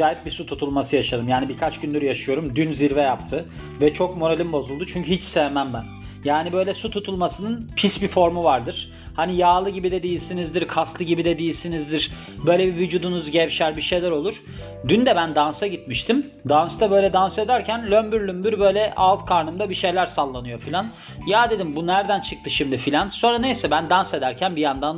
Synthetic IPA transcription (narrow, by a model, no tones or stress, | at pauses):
d͡ʒaːjip̚bisut̪ʰut̪ʰulˠmasɯjaʃad̪ɯmjaːnibikʰat͡ʃɟynlʲyɾyjaʃɯjo̞ɾumd̪ynziɾvɛjapt̪ʰɯ | vɛt͡ʃʰo̞kmoɾelʲimbo̞zulˠd̪ut͡ʃʰyɲcʰyhit͡ʃsɛvɛmænbæn | jaːnibø̞jlʲɛsut̪ʰut̪ʰulˠmasɯnɯnpʰisbifo̞ɾmuvaɾd̪ɯɾ̥ | hanijaːlˠɯɟibid̪ɛd̪ijilʲsinizd̪iɾkʰaslˠɯɟibid̪ɛd̪ijilʲsinizd̪iɾ̥ | bø̞jlʲɛbivyd͡ʒuːd̪unuzɟɛvʃæɾbiʃejlʲæɾo̞lˠuɾ̥ | d̪ynd̪ɛbænd̪ansaɟit̪miʃt̪ʰim | d̪anst̪ʰabø̞jlʲɛd̪anse̞d̪æɾcʰænlʲømbyɾlʲymbyɾbø̞jlʲɛʔalˠt̪kʰaɾnɯmd̪abiʃe̞jlʲæɾsalˠːanɯjo̞filʲan | jaːd̪e̞d̪imbunæɾd̪ænt͡ʃʰɯk̚t̪ʰɯʃimd̪ifilʲanso̞nɾane̞jsɛbænd̪anse̞d̪æɾcʰænbijand̪an